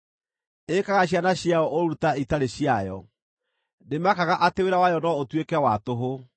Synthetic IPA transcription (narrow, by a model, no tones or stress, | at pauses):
ekaɣaɕjanaɕjaɔʔoɾutaitaɾeɕjajɔ̰ | nemakaɣaʔateweɾawajɔnɔotwekɛwatoɦo